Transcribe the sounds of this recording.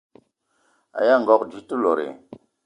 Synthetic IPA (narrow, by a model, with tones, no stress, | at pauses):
a̰˨ja˦ŋ˨ɡɔ˦kd͡ʒi˨tu˦lo˨ɾḛ˨